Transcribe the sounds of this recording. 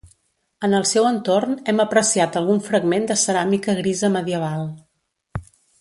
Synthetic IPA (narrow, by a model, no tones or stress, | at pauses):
ənəlˠsɛwənt̪ornɛməpɾəsiat̪əlˠɣ̞uɱfɾəɡmend̪əsəɾamikəɣɾizəməðiəβ̞alˠ